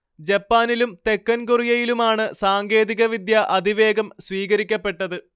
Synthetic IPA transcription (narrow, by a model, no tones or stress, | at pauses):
d͡ʑɐpːaːnilumt̪e̞kːɐnkurijɐjilumaːɳɨsaːŋɡe̞ːðiɣɐʋid̪jɐʔɐd̪ʱiʋe̞ːɡɐmsʋiːɣɐɾikʲːɐpːe̞ʈːɐðɨ